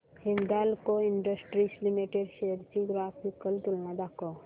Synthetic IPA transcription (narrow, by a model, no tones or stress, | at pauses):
hind̪alkoiɳɖəsʈɾislimiʈeɖʃejəɾt͡ʃiɡɾaːpʰikəlt̪ulnãd̪ako